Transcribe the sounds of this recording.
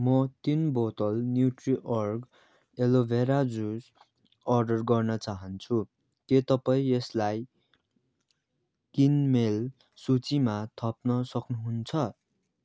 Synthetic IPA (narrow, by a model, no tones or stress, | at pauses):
mʌt̪inbot̪ʌlnjuʈriʔʌrɡ | elobʱeɾad͡zus | ʌrɖʌrɡʌrnʌt͡saɦʌnt͡sʰu | ket̪ʌpaĩeslaj | kinmel | sut͡simat̪ʰʌp̚nʌsʌknuɦunt͡sʰʌ